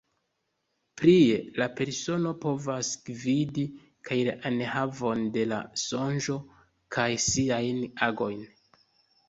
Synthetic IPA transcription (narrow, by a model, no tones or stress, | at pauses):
pɾielape̞ɾso̞no̞po̞vasɡ̥vidi | kʰajlaʔanhavo̞nde̞la̰so̞nʒo̞ | kʰajsiajnaɡo̞jn